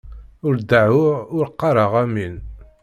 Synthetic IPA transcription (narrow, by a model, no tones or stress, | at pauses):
ʊɾd̪əʕʊʊɾqːɑɾˤəʁæmin